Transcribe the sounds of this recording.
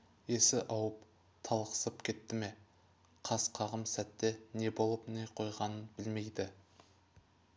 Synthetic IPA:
e̞sɪʔɑwəp | t̪ʰɑlˠqə̥səpkʲʰe̞t̪ːɪme̞ | qʰɑsqʰɑʁəmsæt̪ːe̞ne̞bo̞lˠəpne̞qʰo̞jʁɑnənbɪlme̞jd̪ɪ

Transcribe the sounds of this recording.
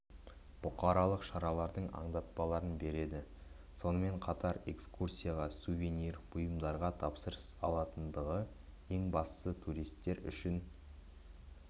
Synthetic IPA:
b̥ʊqɑɾɑlˠəqʃɑɾɑlˠɑɾd̪əɴɑ̰ɴd̪ɑt̪̚pɑlˠɑɾənbe̞ɾe̞d̪ɪ | so̞nəme̞ɴqʰɑt̪ɑɾe̞kskursʲijaʁɑsuvʲe̞niɾbʊjəmd̪ɑɾʁɑt̪ʰɑpsəɾəsɑlˠɑt̪ənd̪əʁə | e̞ŋbɑst̪sət̪ʰuɾijst̪ːe̞ɾʏ̰ʃɪn

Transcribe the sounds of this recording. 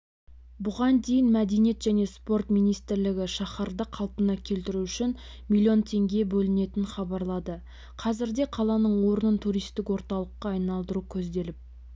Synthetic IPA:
bʊʁɑnd̪e̞jɪnmæd̪e̞nije̞t̪ʒæne̞spo̞rt̪mijnijst̪ɪɾlɪɡʲɪʃɑχɑɾd̪əqʰɑlˠpənɑkʲʰe̞lt̪ɪɾuʏʃɪn | milʲˠio̞nt̪ʰe̞ŋɡʲe̞bɵlɪne̞t̪ɪnχɑbɑɾlˠɑd̪ə | qʰɑzɪɾd̪e̞qʰɑlˠɑnəɴwo̞ɾənənt̪ʰuɾijst̪ɪkwo̞ɾt̪ɑlˠəqːɑːjnɑlˠd̪əɾukʲʰɵzd̪e̞lɪp̚

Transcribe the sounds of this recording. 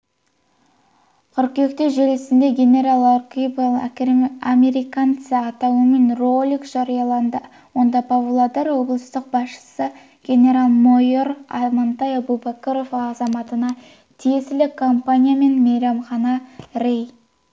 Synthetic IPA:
qʰʏɾkʲe̞kt̪eʒelesɪnd̪e̞ɡʲe̞nʲe̞ɾalˠarkʲibl̰ˠame̞ɾijkant̪səɑt̪ɑwəmenrolʲikʒ̥ɑɾijɑlˠɑnd̪ə | wo̞nd̪ɑpʰovulˠad̪eɾwo̞blˠəst̪əq̚bɑsʃə̥sə | ɡ̥ʲe̞nʲe̞ɾalˠmojoɾɑ̰mɑnt̪ɑjɑbubakoɾovːzɑmɑt̪ənɑ | t̪ʰije̞sɪlɪkʰompanʲijame̞nmejɾɑmχɑnɑɾʲej

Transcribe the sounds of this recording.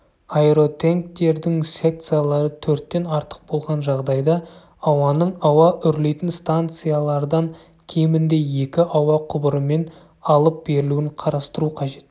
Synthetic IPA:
ajɾo̞t̪ʰeŋk̚t̪e̞ɾd̪ɪŋse̞k̚t̪sɨjalˠɑɾət̪ʰɵɾt̪ːe̞nɑɾt̪ə̥q̚bo̞lˠʁɑnʒɑʁd̪ɑjd̪ɑ | ɑwɑnəɴɑwɑʔʏɾle̞jt̪ɪnst̪ant̪sɨjalˠɑɾd̪ɑŋ | kʲʰe̞mɪnd̪e̞je̞kʲɪʔɑwɑqʰʊbəɾəme̞n | ɑlˠəp̚b̥e̞ɾɪluɪɴqʰɑɾɑst̪əɾuqʰɑʒe̞t̪

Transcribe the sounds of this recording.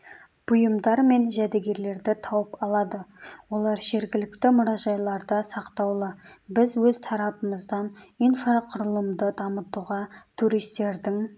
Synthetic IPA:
b̥ʊjəmd̪ɑɾme̞nʒæd̪eɡʲe̞ɾle̞ɾd̪ɪt̪ʰɑwəpɑlˠɑd̪əwo̞lˠɑɾʒe̞ɾɡʲɪlɪkt̪ɪmʊɾɑʒɑjlˠɑɾd̪ɑsɑqt̪ɑwlˠəbɪzwɵzt̪ʰɑɾɑpəməzd̪ɑninfaqʰʊɾəlˠəmd̪əd̪ɑmət̪uʁɑt̪ʰuɾijst̪e̞ɾd̪ɪŋ

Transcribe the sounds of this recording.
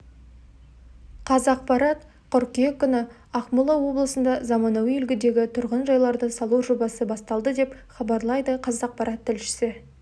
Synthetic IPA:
qʰɑzɑqpɑɾɑt̪ | qʊɾkʲijekʲːʏnɪ | ɑqmʊlˠɑwo̞blˠəsənd̪ɑzɑmɑnɑwjʏlɡʲɪd̪e̞ɡʲɪt̪ʰʊɾʁənʒɑjlˠɑɾd̪əsɑlˠuʒo̞bɑsəbɑst̪ɑlˠd̪əd̪e̞pχɑbɑɾlˠɑjd̪əqʰɑzɑq̚pɑɾʔɑt̪ʰːɪlʃɪ̥sɪ

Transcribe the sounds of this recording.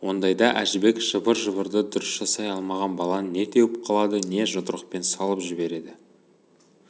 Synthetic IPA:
wo̞nd̪ɑjd̪ɑʔæʒɪbe̞kʒ̥əbəɾʒəβəɾd̪əd̪ʊɾɪsʒ̥ɑsɑjɑlˠmɑʁɑnbɑlˠɑnne̞t̪ʰe̞wɪp̚qʰɑlˠɑd̪əne̞ʒʊt̪əɾəq̚pe̞nsɑlˠəpʒɪbe̞ɾe̞d̪ɪ

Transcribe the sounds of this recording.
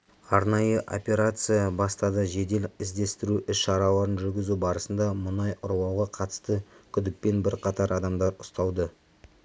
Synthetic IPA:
ɑɾnɑjəʔo̞̰pʲe̞ɾat̪sɨjɑbɑst̪ɑd̪əʒe̞d̪e̞lɪzd̪e̞st̪ɪɾuʔɪsʃɑɾɑw̪ˠɑɾənʒʏɾɡʲɪzubɑɾəsənd̪ɑmʊnɑjʔʊɾwɑwʁɑqʰɑt̪ə̥st̪əkʲʰʏd̪ɪk̚pe̞nbɪɾqʰɑt̪ɑɾʔɑd̪ɑmd̪ɑɾʊst̪ɑwˠd̪ə

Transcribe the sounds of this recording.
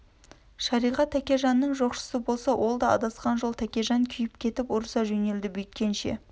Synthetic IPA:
ʃɑɾijʁɑt̪ʰːækʲe̞ʒɑnːəɴʒo̞qʃə̥səbo̞lˠsɑwʔo̞lˠd̪ɑɑ̰d̪ɑsqɑnʒo̞lˠt̪ʰækʲe̞ʒɑŋkʲʰʏjɪpkʲʰe̞t̪ɪpoɾsɑʒɵne̞ld̪ɪbʏjt̪̚kʲe̞nʃe̞̰

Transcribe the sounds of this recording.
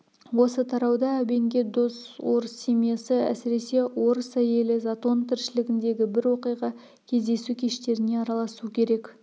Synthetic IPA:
wo̞sət̪ʰɑɾɑwd̪ɑæbe̞ŋɡʲe̞d̪o̞swo̞ɾəsːemijasəæ̰sɪɾe̞se̞wo̞ɾəsæje̞lɪzat̪o̞nt̪ʰɪɾʃɪlɪɡʲɪnd̪e̞ɡʲɪbɪɾwo̞qijʁɑ | kʲʰe̞zd̪e̞sukʲʰe̞ʃt̪e̞ɾɪne̞ɑɾɑlˠɑsuəkʲʰe̞ɾe̞k

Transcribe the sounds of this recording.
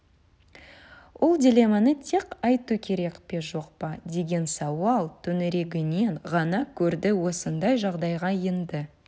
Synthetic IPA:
wʔo̞lˠdʲilʲe̞mɑnət̪ʰeqɑjt̪ukʲʰe̞ɾekpe̞ʒo̞qpɑd̪e̞ɡʲe̞nsɑwɑlˠt̪ʰɵnɪɾe̞ɡʲɪne̞nʁɑnɑkʲʰɵɾd̪ɪwo̞sənd̪ɑjʒɑʁd̪ɑjʁɑjənd̪ə

